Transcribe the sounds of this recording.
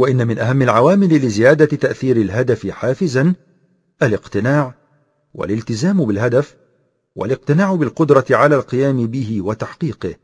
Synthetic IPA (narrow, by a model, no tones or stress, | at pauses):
waʔɪnːamɪnʔaɦamːɪlʕawaːmɪlɪlɪzɪjaːd̪at̪aʔθiːɾɪlɦad̪afɪħaːfɪzan | ʔalɪqt̪ɪnaːʕ | wa̰lɪlt̪ɪzaːmbɪlɦad̪af | wa̰lɪq̚t̪ɪnaːʕʊbɪlqʊd̪ɾˤɑt̪ɪʕalaːlqɨjaːmɪbɪhɪwat̪aħqiːqɨh